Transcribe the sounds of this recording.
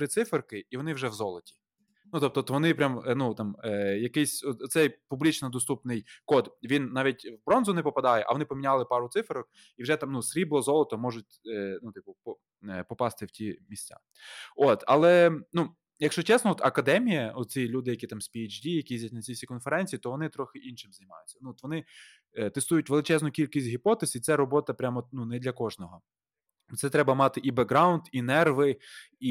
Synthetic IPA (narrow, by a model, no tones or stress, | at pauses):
tɾɪt̪sɪferkɪiʋɔnɪwʒɛwzɔlˠɔtʲi̥ | nut̪ɔp̚t̪ɔt̪ʋɔnɪpɾʲamnut̪ɑmjɐkɪsʲɔt̪ɔt̪sɛjpublʲit͡ʃnɔd̪ɔst̪upnɪjkɔd̪ʋʲinnɑʋʲitʲwbɾɔnzʊnɪpɔpɐd̪ɑjɛʔɐ̰ʋɔnɪpɔmʲinʲalˠɪpɑɾʊt̪sɪfeɾɔk | iwʒɛt̪amnusɾʲiblˠɔzɔlˠɔt̪ɔmɔʒʊt̚ʲːnut̪ɪpʊpɔ | pɔpɑst̪ɪwtʲimʲisʲt͡sʲa̰ | ot̪ɐ̰lˠɛnu | jɐkʃt͡ʃɔt͡ʃɛsnɔɔt̪ɐkɐd̪ɛmʲijɐɔt̪̚t͡sʲilʲud̪ɪjɐkʲit̪ɑmsʲpʲijid͡ʒdʲijɐkʲiizʲɐtʲnɐt͡sʲisʲikɔnfeɾɛnʲt͡sʲijːt̪ɔʋɔnɪt̪ɾɔxɪʔinʃɪmzɐjʲmɑ̰jʊtʲt͡sʲːɐnuɔt̪ʋɔnɪ | t̪est̪ujʊtʲʋelˠɪt͡ʃɛznʊkʲilʲkʲɪsʲtʲɦʲipɔt̪ɛsit̪sɛɾɔbɔt̪ɐpɾʲamɔnunɛd̪lʲɐkɔʒnɔɦɔ | t̪sɛt̪ɾɛbɐmɑt̪ɪʔibeɡɾɑʊnd̪inɛrʋɪ | i